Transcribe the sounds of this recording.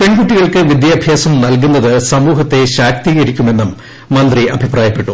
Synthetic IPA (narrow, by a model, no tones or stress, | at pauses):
pe̞ɳɡuʈːiɣɐɭkɨʋid̪jaːbʱjaːsɐmnɐlk̬unːɐðɨsɐmuːɦɐt̪ːe̞ɕaːk̚t̪iɣɐɾikʲːume̞nːɐmː | ɐnd̪riʔɐ̰bʱipraːjɐpːe̞ʈːu